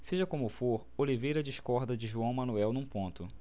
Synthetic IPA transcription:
seʒɐkõmʊfoɾolivejɾɐd͡ʒiʃkɔɾd̪ɐd͡ʒɪʒuɐ̃w̃mɐ̃nuɛwnũpõnt̪ʊ

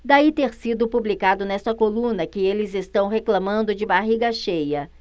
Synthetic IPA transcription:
d̪ait̪eɾsid̪ʊpublikad̪ʊnɛst̪ɐkolũnɐkɪelɪzest̪ɐ̃w̃ɦeklɐ̃mɐ̃nd̪ʊd͡ʒɪbaɦiɡɐʃejɐ

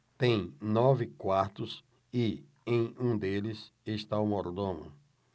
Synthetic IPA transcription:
t̪ẽj̃nɔvɪkwaɾt̪ʊs | ɪ | ẽj̃ũd̪elɪseʃt̪aumɔɾd̪õmʊ̰

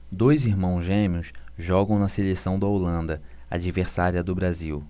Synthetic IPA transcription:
d̪ojziɾmɐ̃w̃zʒẽmiʊsʒɔɡɐ̃w̃nɐselesɐ̃w̃d̪ɐolɐ̃nd̪ɐ | a̰d͡ʒiveɾsaɾiɐd̪ʊbɾaziw

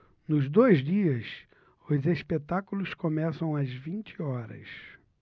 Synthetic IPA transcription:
nʊzd̪ojzd͡ʒiɐs | ʊzespet̪akulʊskomɛsɐ̃w̃ɐzvĩnt͡ʃɪɔɾɐ̰s

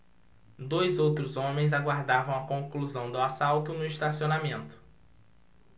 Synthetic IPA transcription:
d̪ojzowt̪ɾʊzõmẽj̃zaɡwaɾd̪avɐ̃w̃ɐkõkluzɐ̃w̃d̪ʊasawt̪ʊnʊiʃt̪asionamẽnt̪ʊ̥

